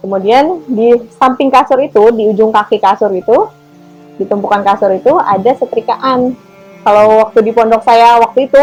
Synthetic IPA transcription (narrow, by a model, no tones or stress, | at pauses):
kəmudiandisampɪŋkasʊɾit̪udiud͡ʒʊŋkakikasʊɾit̪u | dit̪əmpukankasʊɾit̪ua̰dasət̪əɾikaʔan | kalawwak̚t̪udipɔndɔk̚sajawak̚t̪uit̪u